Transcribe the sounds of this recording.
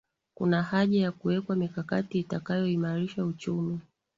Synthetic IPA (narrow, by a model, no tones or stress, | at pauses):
kṵnahaʄajakuwɛkwamikakatiːtakajɔimaɾiʃaut͡ʃumi